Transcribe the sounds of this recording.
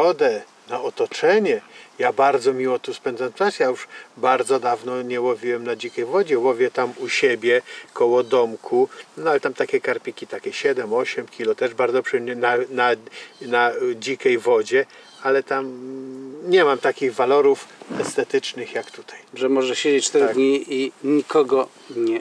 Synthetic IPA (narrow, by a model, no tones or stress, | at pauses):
ɔd̪ɛ | naɔt̪ɔt͡ʂɛɲɛjabaɾd̪zɔmʲiwɔt̪uspɛnd̪zanʈ͡ʂasjajuʂbaɾd̪zɔd̪avnɔɲɛwɔvʲiwɛmnad͡ʑikʲɛjvɔd͡ʑɛwɔvʲjɛt̪amuɕɛbʲjɛkʰɔwɔd̪ɔmkʰunɔalɛt̪amt̪akʲɛkaɾpʲikʲit̪akʲɛɕɛd̪ɛmɔɕɛmkʲilɔt̪ɛʐbaɾdzɔpʂɛɲɛnananad͡ʑikʲɛjvɔd͡ʑɛ | alɛt̪am | ɲɛmamt̪akʲiɣvalɔɾufɛst̪ɛt̪ɘt͡ʂnɘxjakt̪u̥t̪ʰajʐɛmɔʐɛɕed͡ʑet͡ɕt͡ʂt̪ɛɾd̪ɲiiɲikʰɔɡɔ | ɲɛ